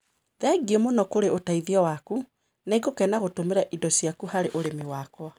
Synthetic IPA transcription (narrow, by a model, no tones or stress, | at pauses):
ðɛɡiemonɔkoɾeʔotaiðiɔwaku | neɡokɛnaɣotomeɾɛʔidɔsjakuhaɾeʔoɾemiwakwa